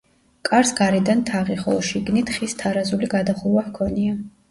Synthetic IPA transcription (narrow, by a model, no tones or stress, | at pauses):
kʼaɾsɡaɾid̪ant̪ʰaʁiχɔ̰lˠʃiɡnit̪ʰχist̪ʰaɾazuliɡad̪aχuwahkʰɔnia